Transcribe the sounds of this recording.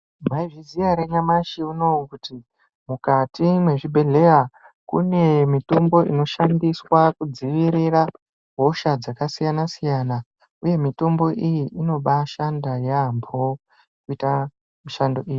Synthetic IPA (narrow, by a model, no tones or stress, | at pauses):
mʱaiviziaɾe̞ɲamaʃiuno̞ukuti | mukatimwe̞ʐibʱe̞ɮe̞ra | kṵne̞mitombo̞ʔḭno̞ʃandiswakud͡ziʋiɾira | ɦo̞ʃad͡zakasijanasijaːna | uje̞mito̞mbo̞ʔijiʔino̞ɓaʃandajampʰo̞ | kuita | miʃando̞ʔiji